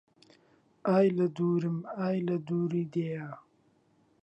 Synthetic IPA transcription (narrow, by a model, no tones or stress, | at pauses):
aːjlɐd̪uːɾimaːjlɐd̪uːɾid̪ejaː